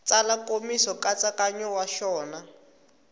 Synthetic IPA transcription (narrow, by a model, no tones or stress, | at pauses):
t͡salakomisɔkat͡sakaɲɔwaʃɔːna